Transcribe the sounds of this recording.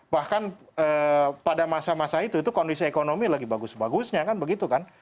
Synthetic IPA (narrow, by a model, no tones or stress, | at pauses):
bahkanəːpadamasamasait̪ut̪ukondisiekonomilaɡibaɡʊsbaɡʊsɲakanbəɡit̪ukan